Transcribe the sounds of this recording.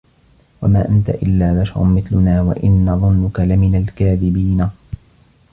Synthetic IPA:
wa̰maːʔant̪a̰ʔɪlːaːbaʃɑ̰ɾˤʊ̰mɪθlʊnaːwa̰ʔɪnːɑðˤʊnːʊkalɪmɪnalkaːðɪbiːna

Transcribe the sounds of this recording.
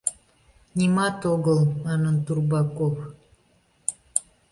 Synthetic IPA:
nʲimɑt̪oɣəlˠmɑnənt̪urbɑkof

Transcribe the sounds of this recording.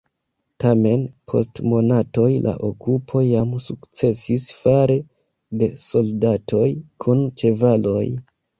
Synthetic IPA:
tame̞npʰo̞̰stmo̞nato̞jlʔa̰ʔo̞kupʰo̞jamsukt͡se̞sisfaɾe̞ | de̞so̞ldatʰo̞jkʰunt͡ʃe̞valo̞j

